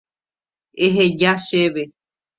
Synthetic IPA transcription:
eɦed͡ʒaʃeβe

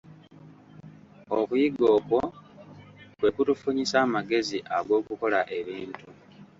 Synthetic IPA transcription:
okujiɡo̞ːko̞ | kwe̞kutufuɲisaːmaɡe̞ziʔaɡo̞ːkuko̞laʔe̞βiːntu

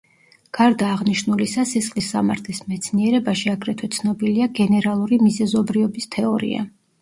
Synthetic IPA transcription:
ɡ̥aɾd̪aːʁniʃnulisasisχlisːa̰maɾt̪ʰlismɛt̪sʰniɛɾɛbaʃiaɡɾɛt̪ʰwɛt̪sʰnɔbiliaɡɛnɛɾalˠuɾimizɛzɔbɾiɔbist̪ʰɛɔɾḭa̰

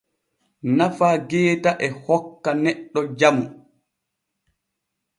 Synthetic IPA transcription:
nafaːɡɛːtaʔɛhɔkːanɛɗːɔd͡ʒamu

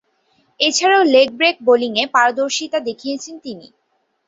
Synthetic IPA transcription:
et͡ɕʰaɾaolek̚bɾek̚boliŋepaɾod̪oɾʃit̪ad̪ekʰijet͡ɕʰent̪inḭ

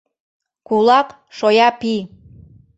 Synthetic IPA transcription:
kulˠɑk | ʃojɑpi

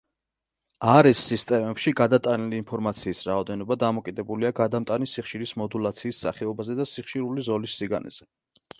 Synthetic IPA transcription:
aɾɛsːist̪ʼɛmɛpʃiɡad̪at̪ʼaniliːnpʰɔɾmat̪sʰiːsɾaɔd̪ɛnɔbad̪amɔkʼid̪ɛbuliaɡad̪amt̪ʼanisiχʃiɾismɔd̪ulˠat̪sʰiːsːa̰χɛɔbazɛd̪asiχʃiɾulizɔlisːiɡa̰nɛ̰z̥ɛ

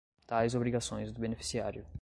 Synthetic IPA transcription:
t̪ajzobɾiɡasõj̃zd̪ʊbenefi̥siaɾjʊ

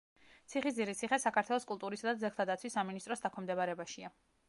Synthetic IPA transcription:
t̪sʰiχizd̪iɾit̪sʰiχɛsakʰaɾt̪ʰwɛlˠɔskʼulˠt̪ʼuɾisad̪ad̪zɛklt̪ʰad̪at̪sʰwisːaminist̪ʼɾɔsd̪akʰɛmd̪ɛbaɾɛbaʃia

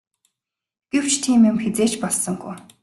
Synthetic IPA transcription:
ɡ̥ew̥t͡ɕʰt̪ʰiːmemxet͡seːt͡ɕpɔɮsɞ̆ŋɡṵj

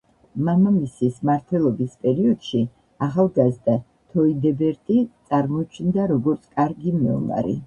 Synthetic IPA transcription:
mamamisismaɾt̪ʰwɛlˠɔbispʼɛɾiɔd̪̥ʃi | aχalˠɡazd̪a | t̪ʰɔid̪ɛbɛɾt̪ʼit̪sʼaɾmɔt͡ʃʰnd̪aɾɔɡɔɾt̪sʰkʼaɾɡimɛɔ̰ma̰ɾḭ

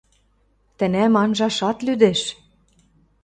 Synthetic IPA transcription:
t̪ɘ̆næmɑnʒɑʃɑt̪lyd̪eʃ

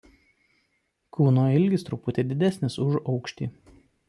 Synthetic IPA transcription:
kuːnoːɪlʲɡʲɪst̪ɾʊpʊt̪ʲeːd̪ʲɪd̪ʲɛsʲnʲɪsʊʒɒʊkʃʲt̪ʲḭː

